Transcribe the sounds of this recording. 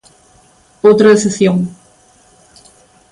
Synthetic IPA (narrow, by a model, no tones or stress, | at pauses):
owt̪ɾɐesesjõŋ